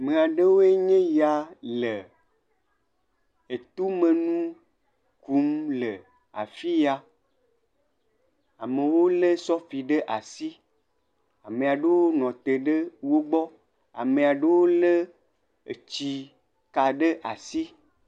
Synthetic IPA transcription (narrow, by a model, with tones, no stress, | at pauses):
me˨a˨ɖe˦wo˦e˦ɲẽ˦ja˨le˨ | e˨t̪u˦mẽ˨nũ˦ | ku˨˦mle˨ | a̰˨fi˦ja˨ | a˨me˨wo˦le˦sɔ˦fi˨ɖe˦ʔa˨si˦ | a˨mẽ˨a˨ɖe˦wo˦nɔ̃˨t̪e˨ɖe˦wo˦ɡ͡bɔ˦ | a̰˨mẽ˨a˨ɖe˦wo˦le˦ | ḛ˨t͡ɕi˨ | ka˨ɖe˦ʔa˨si˦